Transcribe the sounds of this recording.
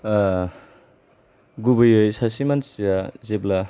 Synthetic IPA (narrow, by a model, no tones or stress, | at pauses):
ɡubɯjɯjsasimansjazebla